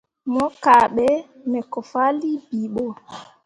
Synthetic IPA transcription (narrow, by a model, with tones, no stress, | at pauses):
mɔ˦kaːɓɛmɛ˨kɔ˨fa˦li˦biɓɔ˨